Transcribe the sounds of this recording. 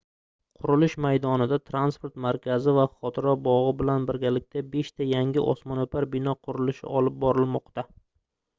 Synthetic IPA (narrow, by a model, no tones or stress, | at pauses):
qʰʊɾɪlɪʃmajd̪ɒnɪd̪at̪ʰɾanspoɾt̪maɾkʲʰazɪvaχɒt̪ʰɪɾɒbɒʁɨbɪlanbɪɾɡʲalɪk̚ʲt̪ʰabe̞ʃt̪ʰajaŋʲɪʔɒ̰smɒnopʰaɾbɪnɒqʰʊɾɪlɪʃɪ̰ɒlɪp̚bɒɾɪlmɒqt̪a